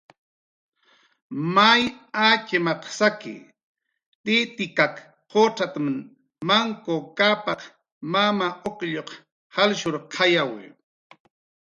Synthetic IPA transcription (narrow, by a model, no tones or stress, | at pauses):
majat͡ʃɪmɑqsakɪ̰ | t̪ɪt̪ɪkak | qoʈ͡ʂat̪mn | maŋkokapɑq | mamaʔokʎoq | halʃʊɾqʰɑjawɪ̰